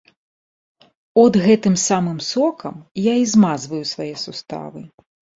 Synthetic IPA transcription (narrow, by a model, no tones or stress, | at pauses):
ɔd̪ɣɛt̪ɨmsamɨmsɔkʰɐmjaizmazvɐjusvajɛsust̪a̰vɨ